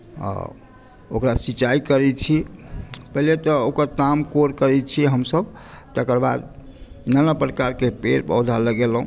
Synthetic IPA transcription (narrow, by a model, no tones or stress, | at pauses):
a̰ | o̰kɾasit͡ʃaikəɾɛt͡ʃʰi | pəɦilet̪ɔokəɾt̪amkoɾkəɾɛt͡ʃʰiɦəmsəbt̪əkəɾba̰d̪̚ | inanəpɾkaɾkepeɾpə̰wd̪ʱaləɡelɦũ